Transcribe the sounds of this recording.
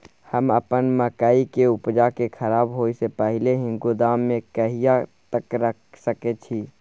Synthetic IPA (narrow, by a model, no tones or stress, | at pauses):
həmə̰pənməkəikeupd͡ʒakekʰəɾaːbɦoisepəɦileɦɪ̃ŋɡud̪amːẽkəɦijat̪əkɾəksəket͡ʃʰi